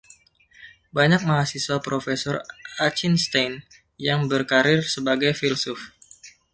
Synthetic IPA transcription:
baɲak̚maɦasiswapɾofesɔrat͡ʃinst̪ajn | jaŋbərkaɾɪrsəbaɡajfilsʊf

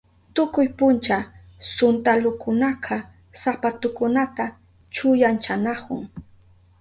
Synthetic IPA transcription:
t̪ʊkʊjpʊnt͡ʃa | sʊnt̪alʊkʊnaqʰɑ | sapat̪ʊkʊnat̪a | t͡ʃʊjant͡ʃanakʊ̰ŋ

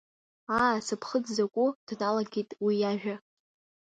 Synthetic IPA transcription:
aːsɨpʰχəd͡zzakʷʼʊd̥nalaɡʲitʼwijaʒᶣa

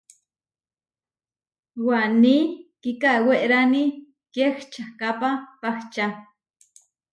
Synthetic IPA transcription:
wanikikaweʔɾani | kext͡ʃakapapaxt͡ʃa

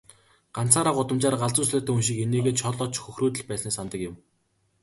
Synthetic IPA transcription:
ɢ̥an̥t͡saːɾaːɢʊt̪ə̆mt͡ɕaːɾɢaɮt͡sʊːsɮʊːt̪ʰæːunʃikeneːɣeːt͡ɕʰɔɮɔt͡ɕxɵxruːt̪ɘ̆ɮpæːsniːsant̪ə̆kjɪ̆m

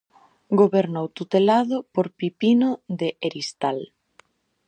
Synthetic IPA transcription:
ɡoβeɾnowt̪ut̪elaðʊpoɾpipinoðeʔeɾist̪al

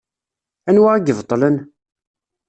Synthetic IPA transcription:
ænwaæɡəvt̪ˤːlən

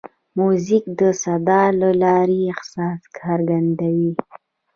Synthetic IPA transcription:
muzikd̪əsad̪ɑləlɑɾiɪxsɑskʰɑɾɡand̪awi

